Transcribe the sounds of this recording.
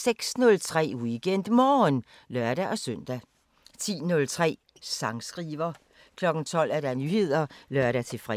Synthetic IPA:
seɡ̥snɔ̽lt͡sʰʁɛ̰ːwiɡ̥en̰d̥mɒːn | lɶɐ̰ɾ̥æʔɒ̽søn̰d̥æ | t͡sʰḭːnɔ̽lt͡sʰʁɛ̰ː | sɑ̈ŋsɡ̥ʁiːʋɐ | kʰlɒ̽ɡ̥n̩t͡sʰɒ̽l̰æɐɾ̥ænyːhe̝ð̰ˠɐlɶɐɾ̥æt͡sʰe̝fʁɛ

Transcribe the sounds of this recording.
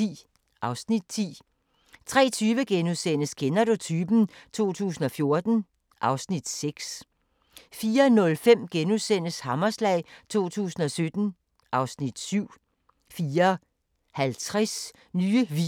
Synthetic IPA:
ḭː | ʔɑ̈ʊsnid̥̚t͡sʰḭː | t͡sʰʁɛ̰ːt͡sʰyːʋəɡ̥enuðˠsen̰əskʰenædo̝t͡sʰyb̥n̩t͡sʰo̝̰ːt͡sʰṵːsn̩ɒ̽fjo̝ɐd̥n̩ | ʔɑ̈ʊsnid̥seɡ̥s | fiːɐnɔ̽lfem̰ɡ̥enuðˠsen̰əshɑ̈mɐslɛɪ̰t͡sʰo̝̰ːt͡sʰṵːsn̩ɒ̽sød̥n̩ | ʔɑ̈ʊsnid̥syʊ̰ | fiːɐ | hælt͡sʰʁɛs | nyːəʋi

